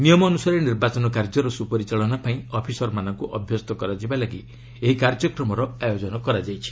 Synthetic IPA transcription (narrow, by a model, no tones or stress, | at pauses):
nijɔmɔnusaɾeniɾbat͡ʃɔnɔkaɾd͡ʒɔɾɔsupɔɾit͡ʃaɭɔnapaĩɔpʰisɔɾmanɔŋkuʔɔbʱjɔst̪ɔkɔɾad͡ʒibalaɡi | eɦikaɾd͡ʒɔkɾɔmɔɾɔajod͡ʒɔnɔkɔɾad͡ʒajt͡ʃʰi̥